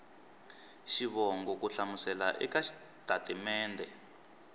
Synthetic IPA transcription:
ʃiβɔŋɡɔkuɬamusɛlaʔɛ̰kaʃi̥ | tatɛmɛːndɛ

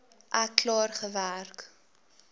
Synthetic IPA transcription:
ʔæklɑːrχəværk

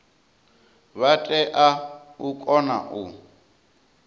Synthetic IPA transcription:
βatʼɛʔaukʼɔna̰ʔu

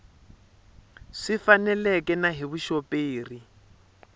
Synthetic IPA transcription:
ʂɪfanɛlɛkʼɛnaɦiβuʃɔpʼeːri

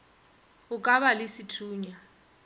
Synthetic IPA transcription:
ʊkʼaβalɪsitʰuːɲa

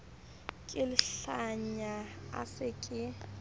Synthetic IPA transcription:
kʼɪlɪɬaɲaa̰sɪkʼɪ

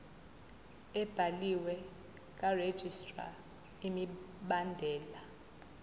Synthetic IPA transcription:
ɛb̥ʱaliwɛ | kʼared̥ʒ̥ʱistʼra̰ | imi | ɓandʱɛːla

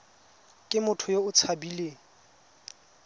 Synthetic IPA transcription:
kʼɪmʊtʰʊjoʊt͡sʰabileːŋ̩

